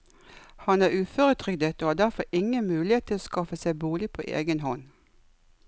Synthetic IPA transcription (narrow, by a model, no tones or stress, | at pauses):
hɑnæːʁʉːføːʁət̪ʰʁʏɡd̪ət̪oːhɑːd̪æʁfɔɪŋənmʉːlɪeːt̪ʰɪloːskɑfəsæɪbuːlɪpʰo̰ːʔḛːɡənhɔn